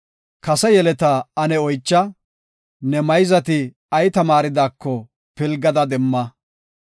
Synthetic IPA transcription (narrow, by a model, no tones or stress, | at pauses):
kɐsɛjɛlɛt̪ɐɐnɛɔjt͡ʃːɐ | nɛmɐjzɐt̪ɪ | ɐjt̪ɐmaːɾɪd̪aːkːɔ | pɪlɡɐd̪ɐd̪ɛmːɐ